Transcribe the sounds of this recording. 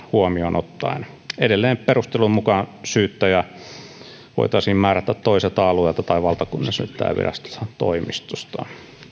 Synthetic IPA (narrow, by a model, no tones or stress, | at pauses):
huomionot̪ːɑ̰in | edelːeːmpperust̪elummukɑnsyːt̪ːæjɑ | ʋo̰it̪ɑisiːmmæːɾæt̪ːæt̪t̪oiset̪ɑɑluelt̪ɑt̪ɑiʋɑlt̪ɑkunːɑsmy̰t̪ːæ̰ːʋḭræ̰st̪o̥tɑt̪o̰imist̪ust̪ɑ̰